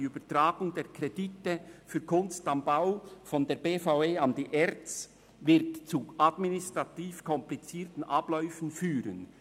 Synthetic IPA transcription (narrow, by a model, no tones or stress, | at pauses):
ybətʁaːɡ̥ʊŋdeːʁkʰʁeditəfyːɐkʰʊnstɑmbaʊfɔndeːɾbeːfaeːɑndiʔɛɾt͡s | vɪʁtt͡suʔɑdminɪstʁɑtiːfkʰɔmplit͡siːtn̩ʔɑb̥lœʏfn̩fyːɾən